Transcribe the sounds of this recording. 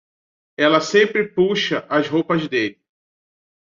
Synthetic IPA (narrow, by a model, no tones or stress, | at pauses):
ɛlɐsẽmpɾɪpuʃɐʔɐzɦowpɐzd̪elɪ